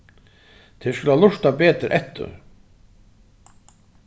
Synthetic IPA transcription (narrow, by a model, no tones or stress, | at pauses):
t̪ʰɛskʏlalʊʂt̪apɛːt̪ɾʔɛht̪ːʏ̰ɾ